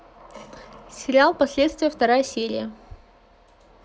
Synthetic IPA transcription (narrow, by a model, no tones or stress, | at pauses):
sʲɪɾʲɪalˠpɐsʲlʲet̪st̪vʲɪjəft̪ɐɾajəsʲeɾʲɪ̰jə